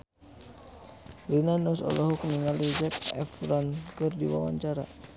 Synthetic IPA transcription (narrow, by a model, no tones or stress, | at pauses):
linanɔsɔ̰lɔɦɔk̚niŋalid͡ʒɛkɛ̰fɾɔnkərdiwa̰wa̰ɲt͡ʃaɾa̰